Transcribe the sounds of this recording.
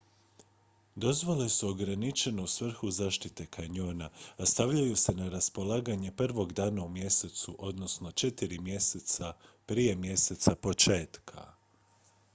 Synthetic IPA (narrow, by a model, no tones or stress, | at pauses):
d̪o̞zʋole̞suo̞ɡɾanit͡ʃe̞no̞usʋr̩xuzaːʃt̪it̪e̞kʰaɲoːnaast̪aʋʎajuse̞naɾaspo̞lˠaːɡaɲe̞pr̩ʋo̞ɡd̪aːnaumje̞se̞t̪suʔo̞d̪no̞sno̞t͡ʃet̪iɾimjeset̪sapɾije̞mje̞se̞t̪sapo̞t͡ʃe̞ːt̪kʰa̰